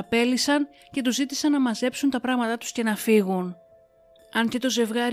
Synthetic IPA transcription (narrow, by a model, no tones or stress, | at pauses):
ɐpe̞lisɐn | ce̞t̪uzit̪isɐnːɐmɐze̞psunt̪ɐpɾɐɣmɐt̪ɐt̪u̥sce̞nɐfiɣun | ɐncet̪o̞ze̞vɣɐɾ